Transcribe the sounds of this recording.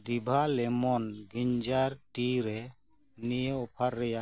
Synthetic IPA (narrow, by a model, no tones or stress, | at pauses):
d̪ibʱalɛmɔnɡiɲd͡ʒaɾʈiɾɛ | nijeɔpʰaɾːɛja